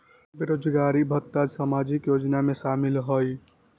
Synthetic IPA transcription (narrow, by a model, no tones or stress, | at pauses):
beɾod͡ʒɡaɾibʱət̪ːad͡ʒsamad͡ʒikjod͡ʒnamesamilɦoj